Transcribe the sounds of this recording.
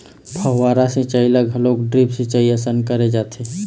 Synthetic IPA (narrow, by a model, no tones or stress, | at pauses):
bʱəɦaːɾasẽt͡ʃəiləɡɦəloːkɖɾipset͡ʃəiasənkəɾed͡ʒaːt̪ʰe